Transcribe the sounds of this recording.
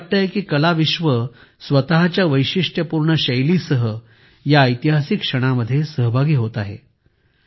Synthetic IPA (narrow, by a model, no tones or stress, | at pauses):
ap̚t̪əɦekiːkəlaʋiɕʋəsʋət̪aɦt͡ɕjaʋəjɕiʂʈʰjəpuɾɳəɕəjliːsəɦə | jaəjt̪iɦasikʂəɽ̃aməd̪ʱːjesəɦəbʱaɡiːɦot̪aɦḛ